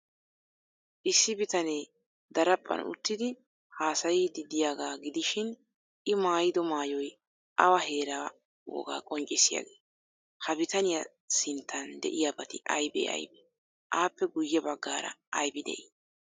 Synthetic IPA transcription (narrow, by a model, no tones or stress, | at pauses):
ʔɪsːɪbɪt̪ɐneː | d̪ɐɾɐpʼːɐ̰nʊ̰t̪ːɪd̪ɪ | haːsɐjid̪ɪd̪ɪjaːɡaːɡɪd̪ɪʃɪn | ʔɪmaːjɪd̪ɔmaːjɔj | ʔɐwɐhe̞ːɾaː | o̰ːɡa̰ːkʼɔŋkʼɪsːɪja̰ɡeː | hɐbɪt̪ɐnɪjɐ | sɪnt̪ːɐnd̪ɛ̰ʔɪjaːbɐt̪ɪʔɐjbḛːɐ̰jbe | ʔaːpːɛɡʊjːɛbɐɡːaːɾɐ̰ɐjbɪd̪ɛ̰ʔɪ